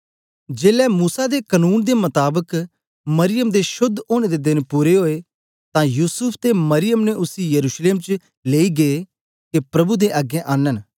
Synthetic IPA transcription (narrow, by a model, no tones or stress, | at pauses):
d͡ʒeːlɛmuːsad̪ekənuːnd̪emɐt̪aːbək | mɐɾɪjəmd̪eʃʊd̪ːoːɽ̃ed̪ed̪ɪnpuːɾeɦoːe | t̪ãjuːsʊpʰt̪emɐɾɪjəmneʔʊsijɐɾuːʃleːmt͡ʃ | leːiɡeː | kepɾɐbud̪eʔaɡẽʔaːnən